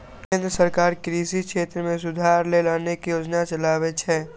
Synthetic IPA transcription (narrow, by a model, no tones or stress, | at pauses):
kẽːnd̪ɾəsəɾkaːɾkɾiːsikʃeːt̪ɾəmẽsʊd̪ʱaːɾlelaːnekijoːd͡ʒnat͡ʃɐlaːʋet͡ʃʰɛː